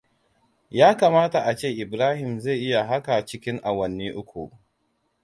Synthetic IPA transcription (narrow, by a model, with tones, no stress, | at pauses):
jaː˦kaː˨maː˦ta˨ʔa˨t͡ʃeː˦˨ʔɪ˨bɾaː˦hɪ˨mza˦˨jʔɪ˦ja˨ɦa˦ka˨t͡ʃɪ˦kʲɪ˦ŋʔa˨wɐ˨nːiː˦ʔʊ˦kʷṵ˨ʔ